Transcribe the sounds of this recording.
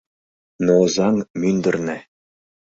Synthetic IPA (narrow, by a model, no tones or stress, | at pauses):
nozɑŋmʲynd̪ɘ̆rnʲɘ̆